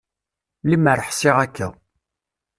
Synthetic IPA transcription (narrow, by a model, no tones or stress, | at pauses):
liməɾəħsɪʁækːæ̰